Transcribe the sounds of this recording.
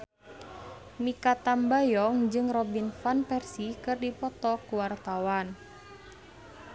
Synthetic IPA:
mikat̪ambajɔŋd͡ʒɨŋrɔbinfanpɛrsikɨrdipɔt̪ɔkuwart̪awan

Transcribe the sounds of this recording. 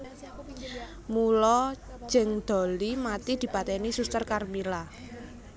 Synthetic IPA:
mulɔ̥d͡ʒ̥ɛ̤ŋd̪̥ɔ̤limat̪id̪̥i̤pat̪ɛnisust̪ərkarmila

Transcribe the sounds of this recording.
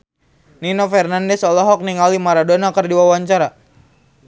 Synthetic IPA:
ninofɛrnandɛsɔlɔɦɔk̚niŋalimaɾadonakərdiwawaɲt͡ʃaɾa

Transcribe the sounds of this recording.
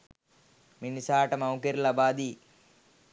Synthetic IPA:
minisaːʈɐmɐwkeɾlɐbaːd̪i

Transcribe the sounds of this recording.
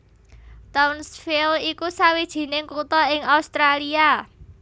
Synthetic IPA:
t̪ɔnsfilikusawid̥ʒ̥i̤nɪŋkut̪ɔɪŋaust̪ɾalia

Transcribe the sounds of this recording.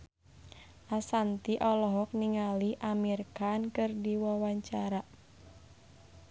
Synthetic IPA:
ʔasant̪iʔɔlɔɦɔk̚niŋaliʔamirkankɨrdiwawaɲt͡ʃaɾa

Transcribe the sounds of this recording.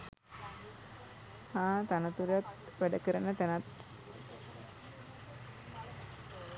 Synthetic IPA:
haːt̪anət̪uɾejat̪ | ʋæɖəkəɾənət̪ænat̪

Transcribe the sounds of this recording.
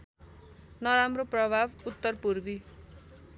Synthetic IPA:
nʌɾamroprʌbʱabut̪ːʌrpurbi

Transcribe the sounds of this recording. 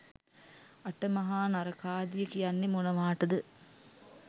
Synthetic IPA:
ɐʈəmɐɦaːnɐɾɐkaːd̪ijəkijanːemonɐʋaːʈɐd̪ə

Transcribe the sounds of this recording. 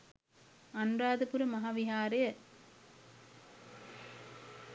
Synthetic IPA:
ɐnraːðɯpʊɾɯmɐɦaːʋɪɦaːɾɯ

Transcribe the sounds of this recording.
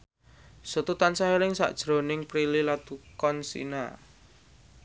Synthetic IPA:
sot̪ut̪ansaeɾɪŋsa̰ʔd̥ʒ̥ɾo̤nɪŋpɾililat̪ukɔnsḭna̰

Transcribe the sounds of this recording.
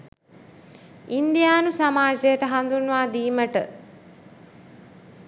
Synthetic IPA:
ind̪ijaːnusamaːd͡ʒejəʈəɦand̪unːʋaːd̪iːməʈə

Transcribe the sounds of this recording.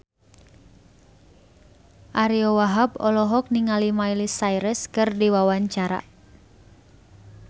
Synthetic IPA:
ʔaɾiɔwaɦabɔlɔɦɔk̚niŋalimailisaiɾəskɨrdiwawaɲt͡ʃaɾa̰

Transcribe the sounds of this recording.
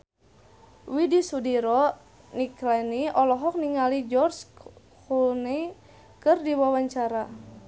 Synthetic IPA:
widisudiɾɔ | niklɛniɔlɔɦɔk̚niŋalid͡ʒɔrs | kulni | kɨrdiwawaɲt͡ʃaɾa

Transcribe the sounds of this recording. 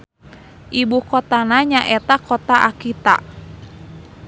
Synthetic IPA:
ʔibukɔt̪anaɲaʔɛt̪akʰɔt̪aʔakit̪a̰

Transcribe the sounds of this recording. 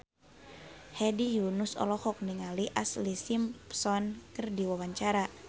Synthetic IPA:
hɛdijunusɔ̰lɔhɔk̚niŋaliʔaslisimpsɔnkərdiwawaɲt͡ʃaɾa

